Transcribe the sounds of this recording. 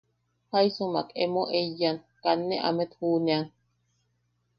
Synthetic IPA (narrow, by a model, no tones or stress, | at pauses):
haisumakemoʔejan | kanːeʔa̰met̪huːneaŋ